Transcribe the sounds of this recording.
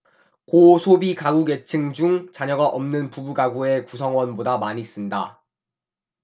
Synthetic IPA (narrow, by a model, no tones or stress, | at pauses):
kosʰobikaɡuɡe̞t͡ɕʰɯŋd͡ʑuŋt͡ɕaɲʌɡaʔʌmnɯnpubuɡaɡue̞kusʰʌŋwʌnbodamaɲis͈ɯnda